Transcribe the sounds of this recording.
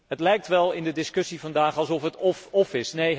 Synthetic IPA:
ɦətlɛjk̚tʋɛlˠɪndədɪskɵsivɑndaːχɑlˠsɔfɦətɔfɔfɪsnej

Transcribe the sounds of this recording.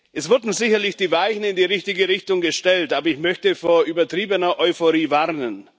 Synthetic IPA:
ʔɛsv̥ʊɐdn̩zɪçɐlɪçd̥iːvaɪçn̩ɪndiːʁɪçtɪɡəʁɪçtʊŋɡəʃtɛltʔaːbɐɪçmœçtəfoːɐʔyːbɐtʁ̥iːbənɐʔɔʏfoʁiːvaʁnən

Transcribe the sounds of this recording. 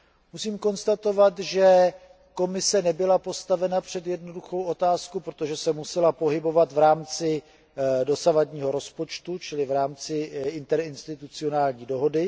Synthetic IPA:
musiːmko̞nst̪at̪o̞vat̪ʒɛ | ko̞mɪsɛnɛbɪlapo̞st̪avɛnapr̝̥ɛd̪jɛdno̞duxo̞wʔo̞t̪aːskupɾot̪oʒɛsɛmusɛlapo̞ɦɪbo̞vat̪vɾaːmt͡sɪ | do̞savadɲiːɦo̞ɾo̞spo̞t͡ʃt̪ut͡ʃɪlɪvɾaːmt͡sɪʔɪnt̪ɛɾɪnst̪ɪt̪ut͡sɪo̞naːlɲiːdo̞ɦo̞dɪ

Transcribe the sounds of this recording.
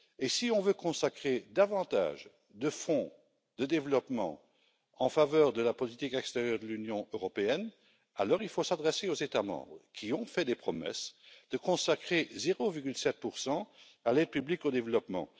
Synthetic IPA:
esiɔ̃vøkɔ̃sakχed̪avɑ̃t̪a̰ːʒ | d̪əfɔ̃ | d̪̥əd̪evlɔpmɑ̰̃ | ɑ̃favœːʁd̪əlapɔlit̪ikɛkst̪eʁjœʁd̪əlynjɔ̃øʁɔpeɛn | alɔʁilfosad̪ʁɛseozet̪amɑ̰̃bʁəkʲʰiɔ̃fɛd̪epχɔmɛ̰sd̪̥əkɔ̃sakχezeʁoviʁɡʲylsɛt̪̚puʁsɑ̃ | alɛd̪̚pyblikod̪evlɔpmɑ̰̃

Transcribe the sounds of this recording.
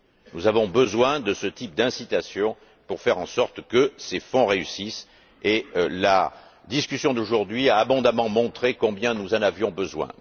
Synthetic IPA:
nuzavɔ̃bəzwɛ̃d̪əsət̪ip̚d̪ɛ̃sit̪asjɔ̃ | puʁfɛʁɑ̃sɔʁt̪kəsefɔ̃ʁeysis | ela̰ | d̪iskʲysjɔ̃d̪oʒuʁd̪ɥiaːbɔ̃d̪amɑ̃mɔ̃t̪χekɔ̃bjɛ̃nuzɑ̃navjɔ̃bəzwɛ̰̃

